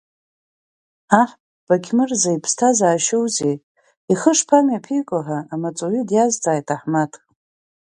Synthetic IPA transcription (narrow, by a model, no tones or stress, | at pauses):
aħpʼ | b̥akʲʰmɨrzajpʰstʰazaːʃowze | iχəʂpʰamjapʰijkʷʼaħaːmat͡sʼoɥidjazd͡zʼaːjtʰaħmatʰʼ